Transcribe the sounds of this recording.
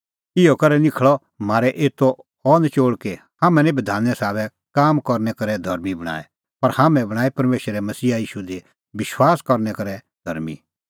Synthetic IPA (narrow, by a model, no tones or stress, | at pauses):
ɪɔkɐɾɛnɪkʰɭɔ | maːɾɛʔeːt̪ːo | ɔːnt͡ʃoːɭke | haːmɛ̃nɛ̃bɪd̪ʱaːnːɛsaːβɛ | kaːmkɔɾnɛkɐɾɛd̪ʱɐɾmibɐɽ̃a̰ːɛ | pɐɾhaːmɛ̃bɐɽ̃aːipɐɾmeːʃəɾɛmɐsiːaiːʃud̪e | bɪʃwaːskɔɾnɛkɐɾɛ | d̪̥ʱɐ̰ɾmḭ